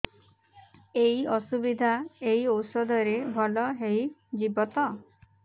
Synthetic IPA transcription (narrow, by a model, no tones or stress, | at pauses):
ejɔsubid̪ʱaeiɔwsɔd̪ʱɔɾebʱɔlɔɦejd͡ʒibɔt̪ɔ